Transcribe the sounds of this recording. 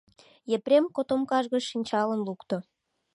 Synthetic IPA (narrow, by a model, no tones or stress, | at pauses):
jepɾʲemkot̪omkɑʒɣəʃinʲt͡ɕɑlənlukt̪o